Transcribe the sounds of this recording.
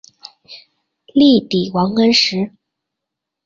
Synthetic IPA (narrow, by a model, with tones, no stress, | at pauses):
li˥˩t̪i˨˩wɑ˧˥ŋkə˥nʂɻ̩˧˥